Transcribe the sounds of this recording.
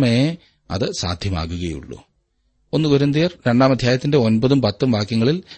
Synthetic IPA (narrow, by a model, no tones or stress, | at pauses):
me | ɐ̰ðɨsa̰ːd̪ʱjɐma̰ːkːuɣɐjṵɭːṵ | onːukuɾɐnd̪ijɐrɾeɳɖaːmɐd̪ʱjaːjɐt̪ːinde̞o̞nbɐðumpɐt̪ːumʋaːkjɐŋːɐɭil